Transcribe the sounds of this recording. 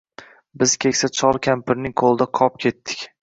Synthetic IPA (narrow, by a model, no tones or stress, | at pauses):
bɪz̥kʲʰe̞kʲsat͡ʃʰɒlˠkʲʰampɪɾnɪŋqʰolˠd̪aqʰɒp̚kʲʰe̞t̪ʰːɪ̥kʲ